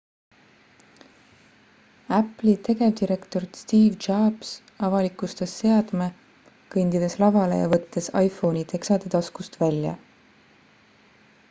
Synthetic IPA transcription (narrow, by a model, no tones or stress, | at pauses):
æpˑlit̪ʰe̞ɡe̞vd̪̥iɾe̞kt̪o̞rst̪iːvd͡ʒɑːb̥s | ɑvɑlikˑust̪esːe̞ɑd̪̥me | kɤnd̪id̪e̞slɑvɑle̞̰jɑ̰vɤt̪ːe̞sɑjfo̞ːnit̪ʰe̞ksɑd̪̥e̞t̪ɑskust̪vælʲjɑ̰